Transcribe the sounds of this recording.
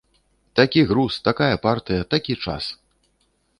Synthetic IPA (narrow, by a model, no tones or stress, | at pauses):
t̪akʲiɣɾust̪akajɐpart̪ɨjɐt̪akʲit͡ʂa̰s